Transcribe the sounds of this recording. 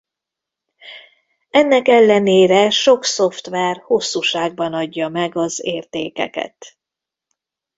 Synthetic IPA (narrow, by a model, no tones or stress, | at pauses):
ɛnːɛkɛlːɛneːɾɛʃo̞kso̞ft̪ʋɛrho̞sːuːʃaːɡ̚bɒnɒɟːɒmɛɡɒzeːrt̪eːkɛ̰kɛ̰t̪